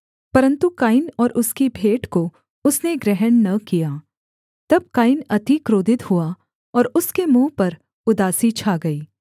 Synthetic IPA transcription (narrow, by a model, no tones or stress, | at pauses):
pɐɾə̃nt̪ukaːɪnɔːɾʔʊskibʱeːʈko | ʊsneɡɾɛɦənnɐkijaː | t̪ɐb̚kaːɪnɐt̪ikɾoːd̪ɪt̪hua | ɔːɾʊskemũːpɐɾ | ʊd̪aːsit͡ʃʰaːɡɐiː